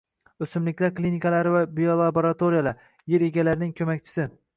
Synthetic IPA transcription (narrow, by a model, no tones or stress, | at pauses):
ɵsɪmlɪkʲlaɾklinikʰalaɾɪvabijolˠaboɾat̪ʰoɾijalaɾ | jeɾeɡʲalaɾɪnɪŋkʲʰɵmakʲt͡ʃʰɪ̥sɪ